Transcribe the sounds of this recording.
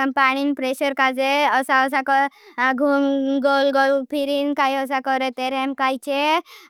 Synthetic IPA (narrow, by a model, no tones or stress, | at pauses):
ampaɽ̃inpɾeɕəɾkad͡zeəsaəs̬akɔaɡʱuːmɡolɡɔlpʰiɾiːnkajəs̬akəɾet̪eɾɛmkajt͡ɕe